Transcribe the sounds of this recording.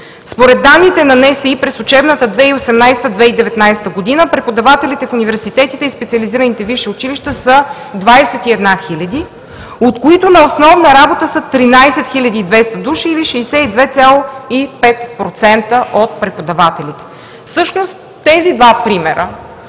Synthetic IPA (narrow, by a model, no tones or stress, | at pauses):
spoɾɛd̪ːanːit̪ɛnɐnɛsɛipɾɛsʊt͡ʃɛbnət̪əd̪vɛiosɛmnajsɛ̥t̪əd̪vɛid̪ɛvɛt̪najsɛ̥t̪əɡod̪inəpɾɛpod̪ɐvat̪ɛlit̪ɛfunivɛɾsit̪ɛt̪it̪ɛispɛt̪siɐliziɾənit̪ɛviʃɛʊt͡ʃiliʃt̪əsə | d̪vajsɛt̪iɛd̪naxilʲɐd̪i | ot̪koit̪ʊnɐosnɔvnəɾabot̪əsət̪ɾinajsɛt̪xilʲɐd̪iːd̪vɛst̪əd̪uʃiːliʃɛisɛid̪vɛt̪sʲalˠoipɛt̪pɾot̪sɛnt̪əʔot̪̚pɾɛpod̪ɐvat̪ɛlit̪ɛ̥ | fsɤʃnost̪ːɛzid̪vapɾimɛɾə